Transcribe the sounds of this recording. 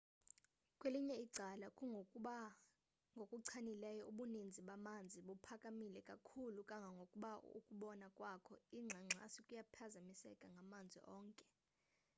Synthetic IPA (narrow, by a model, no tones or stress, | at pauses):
kʼweliɲɛiǀalakʼuŋɡʱokʼuɓa | ŋɡʱokʼuǀʰanilɛjɔuɓunind͡zʱiɓamand͡zʱiɓupʰakʼamilɛkʼakʰulukʼaŋɡʱaŋɡʱokʼuɓaṵkʼuɓɔnakʼwakʰɔiŋ͡ǁʱaŋ͡ǁʱa̰sikʼujapʰazamisɛ̰kʼaŋɡʱamand͡zʱḭʔɔːŋkʼɛ